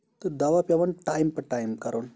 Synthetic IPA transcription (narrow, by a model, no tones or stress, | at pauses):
t̪əd̪aʋapjaʋanʈajmpəʈajmkaɾon